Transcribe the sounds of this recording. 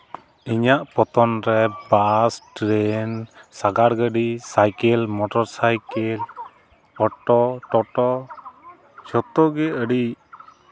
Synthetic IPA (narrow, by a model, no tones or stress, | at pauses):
iɲaʔpɔt̪ɔnɾɛbasʈɾɛnsaɡaɽɡəɖisajkɛlmɔʈɔɾsajkɛl | ɔʈɔʈɔʈɔ | t͡ʃɔt̪ɔɡɛəɽiʔ